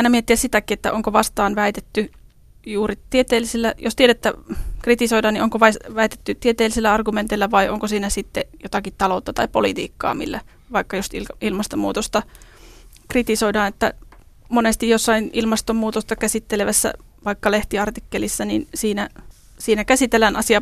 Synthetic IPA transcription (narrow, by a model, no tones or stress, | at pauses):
ɑinɑmiet̪ːiæssit̪ækiet̪ːæʔoŋkoʋɑst̪ɑːnʋæit̪et̪ːy | juːrit̪iet̪eːlːisilːæjo̰st̪ieɾæt̪ːækrit̪isoidɑːnioŋkoʋɑsʋæit̪e̥t̪ːyt̪ːiet̪eːlːˑiselːæɑrɡument̪ilːæʋɑiʔoŋkosiːnæsit̪ːejot̪ɑkit̪t̪ɑlout̪ːɑt̪ɑipolit̪ḭːkːɑ̰ːmḭlːæ̰ | ʋɑikːɑjosiilmɑst̪omṵːt̪ost̪ɑ | krit̪isoidɑːnet̪ːæ̰monest̪ijosːɑinilmɑst̪ommuːt̪ost̪ɑkæsit̪ːeleʋæsːæ̰ | ʋɑikːɑleht̪iɑrt̪ikːelisːɑninsiːnæ | siːnækæsit̪elːænɑsiɑ